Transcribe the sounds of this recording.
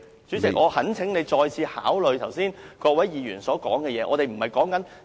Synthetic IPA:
t͡syː˨˥t͡sɪ˨kkʔɔː˨˧hɐ˨˥nt͡sʰɪ˨˥ŋne˨˧jt͡ʃɔː˧jt͡sʰiː˨˧ha̰ː˨˥wlɵ˨˧ɥt̪ʰɐ˨˩wsiː˥nkɔː˧k̚wɐ˨˥jjiː˨˧jyː˨˩nsɔː˨˥kɔ̰ː˨˥ŋkɛː˧jɛː˨˧˥ʔɔː˨˧ɾe˨jm̩˨˩hɐ˨jkɔː˨˥ŋkɐ˨˥n

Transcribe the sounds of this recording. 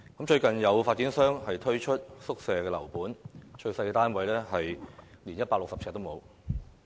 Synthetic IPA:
kɐ˨˥mt͡ʃɵ˧ɥkɐ˨njɐ˨˧wfaː˧t̚iː˨˥nsœː˥ŋhɐ˨jt̪ʰɵ˥ɥt͡ʃʰɵ˥t̚sʊ˥k̚sɛː˨˩kɛː˧lɐ˨˩wpuː˨˥nt͡ʃɵ˧ɥsɐ˧jɛ˧t̪aː˥nwɐ˨˥jlɛː˥ɦɐ˨j | liː˨˩njɐ˥t̚paː˧lʊ˨k̚sɐ˨psʰɛː˧t̪̚o˥mo˨˧w

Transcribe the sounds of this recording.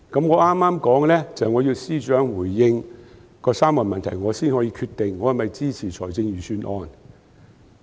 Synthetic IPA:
kɐ˨˥mŋɔː˨˧ʔaː˥mːaː˥mkɔː˨˥ŋlɛː˥t͡sɐ˨hɐ˨jŋɔː˨˧jiː˧wsiː˥t͡ʃœː˨˥ŋwuː˨˩jːɪ˧ŋ | kɔː˧saː˥mːɔː˨˩nmɐ˨nt̪ʰɐ˨˩jŋɔː˨˧siː˥nhɔː˨˥jiː˧kʰyː˧t̪ɪ˨ŋːɔː˨˧hɐ˨˩mɐ˨jt͡siː˥t͡sʰiː˨˩t͡ʃʰɔː˨˩jt͡sɪ˧ŋjyː˨syː˧nʔɔ̰ː˧n

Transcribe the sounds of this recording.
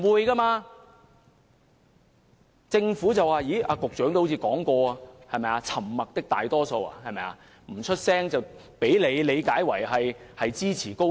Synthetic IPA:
wuː˨˧jkaː˧maː˧ | t͡sɪ˧ŋfuː˨˥t͡sɐ˨wːaː˨jiː˨˥ʔaː˧kʊ˨k̚t͡ʃœː˨˥ŋt̪o˥ho˧˥t͡sʰiː˧kɔː˨˥ŋkɔː˧a˨˧hɐ˨jmɐ˨jaː˧t͡sʰɐ˨˩mːɐ˨k̚t̪ɪ˥k̚t̪aː˨jt̪ɔː˥so˧wa̰ː˧hɐ˨jmɐ˨ja̰ː˧ | m̩˨˩t͡ʃʰɵ˥t̚sɛː˥ŋt͡sɐ˨w | pe˨˥jle˨˧jle˨˧jkaː˨˥jwɐ˨˩jɦɐ˨jhɐ˨jt͡siː˥t͡sʰiː˨˩ko˥

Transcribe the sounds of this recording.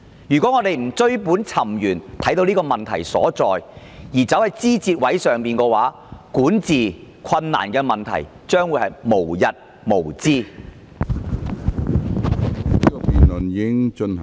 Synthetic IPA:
jyː˨˩kʷɔː˨˥ŋɔː˨˧t̪e˨jm̩˨˩t͡sɵ˥ɥpuː˨˥nt͡sʰɐ˨˩mjyː˨˩nt̪ʰɐ˨˥jt̪o˧wniː˥ɔː˧mɐ˨nt̪ʰɐ̰˨˩jsɔ̰ː˨˥t͡sɔː˨j | jiː˨˩t͡sɐ˨˥whɐ˨˩jt͡siː˥t͡siː˧t̚wɐ˨˥jsœː˨ŋpiː˨˩nkɔː˧waː˨˥ | kuː˨˥nt͡siː˨˩ | kʰɐ˧nːa̰ː˨˩nkɛː˧mɐ˨nt̪ʰɐ̰˨˩j | t͡ʃœː˥ŋwuː˨˧jhɐ˨˩jmo˨˩wjɐ˨t̚ | mo˨˩wt͡siː˥ | ni˥kɔ˧piː˨nlɵ˨ni˥ŋt͡ʃɵ˧n

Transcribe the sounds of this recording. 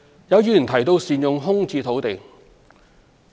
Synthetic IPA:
jɐ˨˧wjyː˨˧˨nt̪ʰɐ˨˩jt̪o˧wsiː˨˩njʊ˨ŋɦʊ˥ŋt͡siː˧t̪ʰo˨˥wt̪e˨j

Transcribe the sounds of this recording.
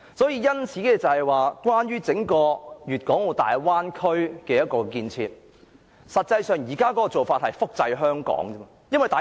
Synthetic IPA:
sɔː˨˥jiː˧jɐ˥nt͡sʰiː˨˥kɛ˧t͡sɐ˨hɐ˨jwaː˨kwaː˥nɥyː˥t͡sɪ˨˥ŋkɔː˧jyː˨t̚kɔː˨˥ŋwo˨˩t̪a̰ː˨jwaː˥nkʰɵ˥ɥkɛː˧jɐ˥t̚kɔː˧kiː˧nt͡sʰḭː˧t̚ | sɐ˨t̚t͡sɐ˧jsœː˨˧ŋjiː˨˩kaː˥kɔː˨˥kɔː˧t͡so˨wfaː˧t̚hɐ˨jfʊ˥k̚t͡sɐ˧jɦœː˥ŋkɔ̰ː˨˥ŋː˥ | jɐ˥nwɐ˨jt̪aː˨

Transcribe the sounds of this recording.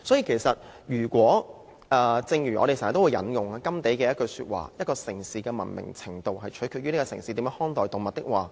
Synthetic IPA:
sɔː˨˥jiː˧kʰe˨˩jsɐ˨t̚jyː˨˩kʷɔː˨˥ | ɛ˨˧t͡sɪ˧ŋjyː˨˩ʔɔ̰˨˧ɾe˨sːt̪o˥wːjɐ̰˨˥njʊ˨ŋaː˧kɐ˥mt̪e˨˥jkɛː˧jɐ˥t̚kɵ˧ɥsy̰ː˧t̚wa̰ː˨˩jɐ˥t̚kɔː˧sɪ˨˩ŋsiː˨kɛː˧mɐ̰˨˩nmɪ̰˨˩ŋt͡sʰɪ˨˩ŋt̪o˨wɦɐ˨jt͡ʃʰɵ̥˨˥kʰyː˧y˥ne˥kɔː˧sɪ˨˩ŋsiː˧t̪iː˨˧˥mː˧˥hɔː˥ŋt̪ɔː˨jt̪ʊ˨ŋmɐ˨t̚t̪ɪ˥k̚waː˨

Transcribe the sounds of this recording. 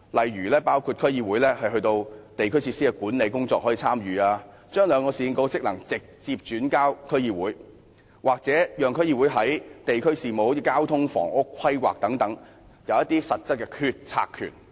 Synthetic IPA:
lɐ˨jɥyː˨˩lɛː˥paː˥wkʰu˧t̚kʰɵ˥ɥjiː˧wuː˨˥jlɛː˥hɐ˨jɦɵ˧jt̪o˧wt̪e˨jkʰɵ˥ɥt͡sʰi˧siː˥kɛ˧kuː˨˥nle˨˧jkʊ˥ŋt͡sɔː˧k̚hɔ˨˥i˧t͡sʰaː˥mjyː˨aː˧ | t͡ʃœː˥ŋlœː˨˧ŋkɔː˧siː˨˧ɪ˧ŋko˨˥wt͡sɪ˥k̚lɐ˨˩ŋt͡sɪ˨k̚t͡siː˧p̚t͡ʃyː˨˥nkaː˥wkʰɵ˥ɥjiː˧˩wuː˨˥j | waː˨k̚t͡sɛː˨˥jœː˨ŋkʰɵ˥ɥji˧wu˨˥jɦɐ˨˥jt̪e˨jkʰɵ˥ɥsiː˨mo˨o˨˧˥i˧kaː˥wt̪ʰʊ˥ŋfɔ̰ː˨˩ŋʔʊ˥kʰːɐ˥jwa̰ː˨k̚t̪ɐ˨˥ŋt̪ɐ˨˥ŋ | jɐ˨˧wjɐ˥t̪̚iː˥sɐ˨t̚t͡sɐ˥t̚kɛː˧kʰyː˧t̚t͡sʰa̰ː˧kʰy̰˨˩n

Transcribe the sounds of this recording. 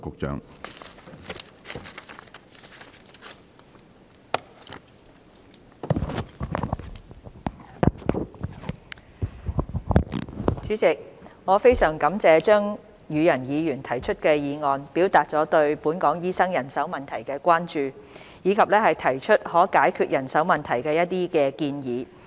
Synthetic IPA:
kʊ˨k̚t͡ʃœ̰ː˨˥ŋ | t͡ʃyː˨˥t͡sɪ˨k̚ŋɔː˨˧fe˥jsœː˨˩ŋkɐ˨˥mt͡sɛː˧t͡ʃœː˥ŋ | jyː˨˧jɐ˨˩njiː˨˧jyː˨˩nt̪ʰɐ˨˩jt͡ʃʰɵ˥t̚kɛː˧jiː˨˧ŋɔː˨˧npiː˨˥wt̪aː˨t̚t͡sɔː˨˥t̪ɵ˧ɥpuː˨˥nkɔː˨˥ŋjiː˥sɐ˥ŋjɐ˨˩nsɐ˨˥wmɐ˨nt̪ʰɐ˨˩jkɛː˧kʷaː˥nt͡ʃyː˨ | jiː˨˧kʰɐ˨p̚lɛː˥hɐ˨jt̪ʰɐ˨˩jt͡ʃʰɵ˥t̚hɔː˨˥kaː˨˥jkʰyː˧t̚jɐ˨˩nsɐ˨˥wmɐ˨nt̪ʰɐ˨˩jkɛː˧jɐ˥t̚t̪iː˥kɛː˧kiː˧njiː˨˧

